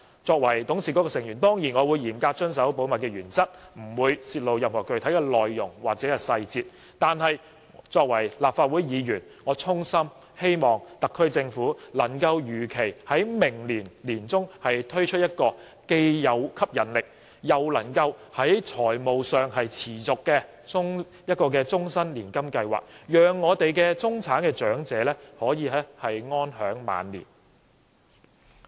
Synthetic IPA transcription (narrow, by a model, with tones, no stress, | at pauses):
t͡sɔː˧k̚wɐ˨˩jt̪ʊ˨˥ŋsiː˨˩kɔː˨˥kɔː˧sɪ˨˩ŋjyː˨˩nt̪ɔː˥ŋjiː˨˩nŋɔː˨˧wuː˨˧jiː˨˩mkaː˧t͡ʃɵ˥nsɐ˨˥wpo˨˥wmɐ˨t̚kɛː˧jyː˨˩nt͡sɐ˥t̚m̩˨˩wuː˨˧jsiː˧t̚lo˨˧wjɐ˨mhɔː˨˩kɵ˨ɥt̪ʰjkɛː˧lɔː˨jːʊ̰˨˩ŋwaː˨k̚t͡sɛː˨˥kɛ˧sɐ˧jt͡siː˧t̚ | t̪aː˨nɦɐ˨j | t͡sɔː˧k̚wɐ˨˩jlaː˨p̚faː˧t̚wuː˨˥jjiː˨˧jyː˨˩n | ŋɔː˨˧t͡sʰʊ˥ŋsɐ˥m | he˥jmɔː˨˩ŋt̪ɐ˨kʰːɵ˥ɥt͡sɪ˧ŋfuː˨˥lɐ˨˩ŋkɐ˧wjyː˨˩kʰe˨˩jhɐ˨˥jmɪ˨˩ŋliː˨˩nliː˨˩nt͡sʊ˥ŋhɐ˨jt̪ʰɵ˥ɥt͡ʃʰɵ˥t̚jɐ˥t̚kɔː˧ | ke˧jːɐ˨˧wkʰɐ˥p̚jɐ˨˩nlɪ˨k̚ | jɐ˨wlɐ˨˩ŋkɐ˧whɐ˨˥jt͡sʰɔː˨˩jmo˨wsœː˨ŋhɐ˨jt͡sʰiː˨˩t͡sʊ˨kːɛː˧ | t͡sʊ˥ŋ | jɐ˥t̚kɔː˧kɛː˧t͡sʊ˥ŋsɐ˥nliː˨˩nkɐ˥mkɐ˧jwa̰ː˨k̚jœː˨ŋːɔː˨˧t̪e˨jkɛː˧t͡sʊ˥ŋt͡sʰaː˨˥nkɛː˧t͡ʃœː˨˥ŋt͡sɛː˨˧˥lɛː˥hɔː˨˥jiː˨˧lɛː˥hɐ˨jŋɔː˥nhœː˨˥ŋma̰ː˨˧nlḭː˨˩n